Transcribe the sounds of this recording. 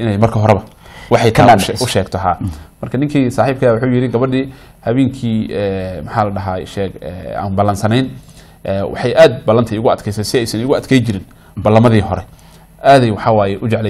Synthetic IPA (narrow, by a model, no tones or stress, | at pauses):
ɪnɛjmɐrkʰɐɦɔɾɛβɐwɑħɑjt̪ʰaʃʊʃɛːɡt̪ʰɔɦaːmɐrkʰɐnɪŋkʰiːsaːħiːb̚kʰɐawʊħuːjɪɾɪɡɐβɐɖiː | hɐβɛːŋkʰiːɛːmɐħɑːlɐɖɐɦaʃɛːɡɛ̰a̰ːnbɐlɐnsɐnɛjn | ʔɛːwʔɑ̰ħɑjʔaːd̪̚bɐlɐnt̪ʰɐɪɣʊɐd̪kʰɛjsɛjsɪɛjsɐnɪɣʊɐd̪̚kʰɛjt͡ʃɪɾɪn | bɐlːɐmɐðiːɦɔɾɛ | ʔaːðɛjwɑħɑwaːjɛʔʊt͡ʃɛʕlɛ